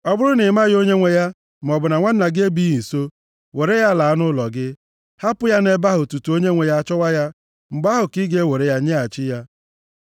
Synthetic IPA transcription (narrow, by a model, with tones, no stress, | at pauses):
ɔ˦bʊ˦ɾʊ˦nɪ˨˦ma˦ɣo˦ɲe˦ŋʷe˨ja˦ | m̩˨ɔ˨bʊ˨na˨ŋʷa˦n̩˦na˨ɡɪ˦e˦bi˦ɣi˨so˦ | we˨ɾe˦ja˦la˨a˦nʊ˦lɔ˨ɡɪ˦ | ha˦pʊ˦ja˦ne˦ba˦ɦʊ˨tu˨tu˨o˦ɲe˦ŋʷe˨ja˦a˦t͡ʃɔ˦wa˦ja˦ | ŋ͡m̩˨ɡ͡ba˦ɦʊ˨ki˦ɡe˦we˨ɾe˦ja˦ɲe˦a˨t͡ʃɪ˦ja˦